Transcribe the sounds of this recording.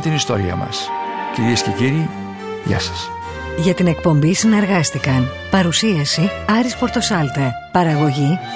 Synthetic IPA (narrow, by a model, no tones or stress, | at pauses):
t̪inist̪o̞̰ɾḭɐ̰mɐ̰sciɾiesceciɾi | ʝɐ̰sɐ̥s | ʝɐt̪ine̞k̚po̞mbisine̞ɾɣɐst̪ikɐn | pɐɾusiɐsiɐɾispo̞ɾt̪o̞sɐlt̪eɾ | pɐɾɐɣo̞ʝi